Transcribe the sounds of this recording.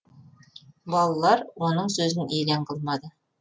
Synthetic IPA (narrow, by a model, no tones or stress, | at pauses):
bɑlˠɑlˠɑɾwonəɴsɵzɘnʔejleɴqʰɤlˠmɑd̪ə